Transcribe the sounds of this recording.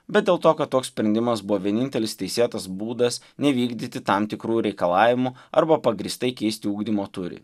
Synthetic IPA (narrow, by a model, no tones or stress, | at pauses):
bʲɛt̪̚d̪ʲeːlˠt̪oːkɐt̪toːkssʲpʲɾʲɛnʲd̪ʲɪmɐsbʊʋoːʋʲiɛnʲɪnʲt̪ʲɛlʲɪst̪ʲɛɪsʲeːt̪ɐsbuːd̪ɐs | nʲɛʋʲiːɡd̪ʲit̪ʲɪt̪ɑmt̪ʲɪkɾuːɾʲɛɪkɐlˠɑːʋʲɪmʊɐ̰ɾbɐpɐɡɾʲiːst̪ɐɪkʲɛɪsʲt̪ʲɪuːɡd̪ʲimoːt̪ʊɾʲɪ̰